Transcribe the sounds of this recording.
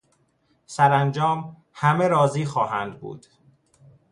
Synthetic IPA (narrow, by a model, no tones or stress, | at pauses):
sæɾænd͡ʒɒːm | hæmeɾɒːziːxɒːɦænd̪bṵːd̪̥